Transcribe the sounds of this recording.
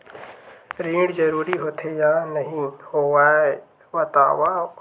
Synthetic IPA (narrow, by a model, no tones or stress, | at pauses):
ɾĩːɽd͡ʒəɾuːɾiɦoːt̪ʰejaːnəɦĩhoːwaːe | wɐt̪a̰ːʋaː